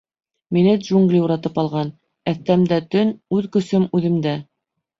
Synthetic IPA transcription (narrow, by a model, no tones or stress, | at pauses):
minɘd̪ʒuŋɡlʲiuɾɑt̪ɤpɑlˠʁɑn | æθt̪æmd̪æt̪ɵnʉðkɵ̆sɵmʉðɘ̆md̪æ